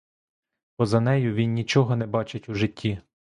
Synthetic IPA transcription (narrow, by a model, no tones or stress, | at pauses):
bɔzɐnɛjʊʋʲinːʲit͡ʃɔɦɔnɛbɑt͡ʃɪtʲuʒɪtʲːi